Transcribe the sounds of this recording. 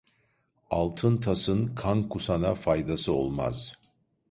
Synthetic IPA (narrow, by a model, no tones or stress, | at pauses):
alˠt̪ʰɯnt̪ʰasɯnkʰankʰusanafajd̪asɯo̞̰lˠma̰z̥